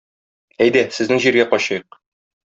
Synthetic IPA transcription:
æjd̪æsɘ̆znɘŋʑiɾɡæqɒɕɑjɤq̚

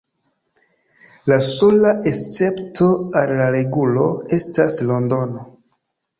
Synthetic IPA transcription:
laso̞laʔest͡se̞ptʰo̞alːaɾe̞ɡulo̞e̞staslo̞ndo̞no̞

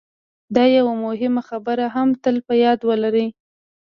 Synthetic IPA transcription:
d̪ɑjawamʊɦɪmaxabəɾaɦamt̪əlpəjɑd̪wəlaɾi

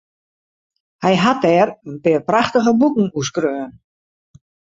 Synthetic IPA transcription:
hɛjɦatɛːrənpɪːrpraxtəɣəbukŋ̩uskrøːən

